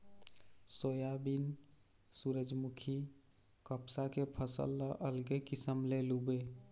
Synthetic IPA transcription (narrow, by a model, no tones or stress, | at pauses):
soːjabin | suɾəd͡ʒmukʰi | kəpsakepʰəsə̰lːəʔəlɡekisəmlelube